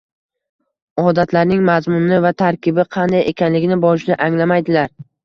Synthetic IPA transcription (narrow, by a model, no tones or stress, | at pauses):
ɒd̪at̪ʰlaɾnɪŋmazmʊnɪvat̪ʰaɾkʲɪbɪqʰɑnd̪ajʔe̞kʲʰanlɪɡʲɪnɪbɒɪʃd̪ɪʔaŋlamajd̪ɪlaɾ